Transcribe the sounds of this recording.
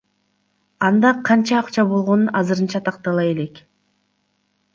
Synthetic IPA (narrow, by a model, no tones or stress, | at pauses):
ɑnd̪ɑqʰɑnt͡ʃɑːqt͡ʃɑbo̞lˠʁo̞nunʔɑzɯɾɯnt͡ʃɑt̪ʰɑq̚t̪ɑlˠɑje̞le̞k